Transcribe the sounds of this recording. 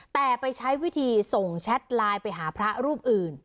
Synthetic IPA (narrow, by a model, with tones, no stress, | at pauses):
t̪ɛː˨˩pa˧jt͡ɕʰa˦˥jwi˦˥t̪ʰiː˧so˨˩ŋt͡ɕʰɛ˦˥t̪̚laː˧jpa˧jɦaː˩˦pʰɾa˦˥ɾuː˥˩p̚ʔɯː˨˩n